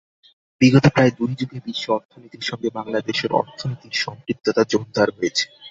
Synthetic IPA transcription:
biɡot̪opɾaed̪ujd͡ʑuɡebiʃːoɔɾt̪ʰonit̪iɾʃɔŋɡebaŋlad̪eʃeɾɔ̰ɾt̪ʰonit̪iɾʃɔŋkɾit̪ːot̪ad͡ʑond̪ʱaɾɦoet͡ɕʰe̥

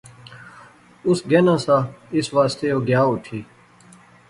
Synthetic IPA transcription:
ʊsɡenãːsãɪsʋaːst̪ejoːɡjaːut̪ʰiː

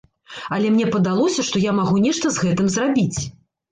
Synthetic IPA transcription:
ɐlʲɛmnʲɛpɐd̪alˠɔsʲɐʂt̪ɔjamaɣunʲɛʂt̪ɐzɣɛt̪ɨmzrabʲit͡sʲ

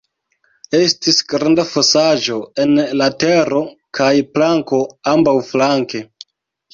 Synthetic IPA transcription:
e̞stisɡɾandafosaʒo̞e̞nlate̞ɾo̞kʰajplaŋko̞ambawflaŋke̞

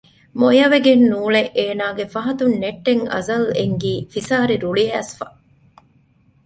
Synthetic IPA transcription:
mojɐʋeɡenːuːɭeʔeːnaːɡefɐɦɐt̪unneʈːeŋɐ̰zɐleŋɡiːfisaːɾiɾuɭiæːsfɐ

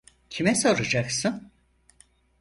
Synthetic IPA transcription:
cʰimɛsoɾud͡ʒaksɯn

